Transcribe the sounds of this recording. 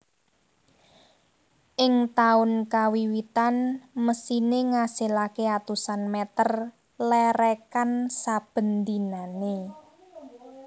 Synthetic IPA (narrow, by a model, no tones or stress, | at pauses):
ʔɪŋt̪aʊnkawiwit̪anməsineŋaselakeat̪usanmɛt̪ər | lɛɾɛkansab̥ə̤nd̪inane